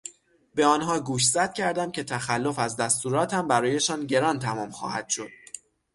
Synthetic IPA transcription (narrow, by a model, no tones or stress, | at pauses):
beɒːnɦɒːɡuːʃ̬zæd̪̥̚cʲʰæɾd̪æmcʲʰe̞t̪ʰæxælːo̞fæzd̪æst̪uːɾɒːt̪ʰæmbæɾɒːje̞ʃɒːnɟe̞ɾɒːnt̪ʰæmɒːmxɒ̰ːhæ̰d̪̥ʃo̞d̪̥̚